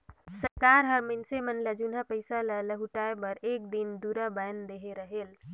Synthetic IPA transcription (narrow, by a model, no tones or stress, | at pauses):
səɾkaɾɦəɾmɪnsemənləd͡ʒunapəɪsalələɦuʈaːebəɾeːk̚d̪ind̪uːɾabajnd̪eɦeɾəɦel